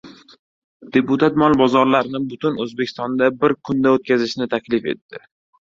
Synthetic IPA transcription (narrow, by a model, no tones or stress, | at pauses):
d̪̥e̞put̪ʰat̪mɒlbɒzɒɾlaɾnɪbʊt̪ʰʊnɵzbe̞kʲʰɪ̥st̪ɒnd̪abɪɾkʰʊnd̪aot̪̚kʲazɪʃnɪt̪ʰakʲlɪfe̞̰t̪ːɪ